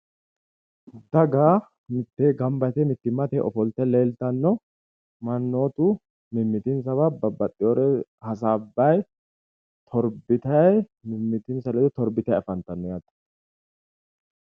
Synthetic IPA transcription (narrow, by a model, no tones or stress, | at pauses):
d̪ɐɡaː | mɪt̪ːeːɡɐmbɐjt̪ɛmɪt̪ːɪmːɐt̪ɛʔɔfɔlt̪ɛleːlt̪ɐnːɔ | mɐnːo̞ːt̪u | mɪmːɪt̪ɪns̬ɐβabɐbɐt̪ʼːɪjoɾɛhɐs̬aːbːɐj | t̪ʰɔɾbɪt̪ɐjmɪmːɪt̪ɪnsɐlɛd̪ʊt̪ɔɾbɪt̪ɐjɐfɐnt̪ɐnːɔjaːt̪ɐ̥